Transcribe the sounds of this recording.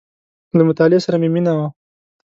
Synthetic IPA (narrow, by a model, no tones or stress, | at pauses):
lamʊt̪ɑlɪesaɾameminawa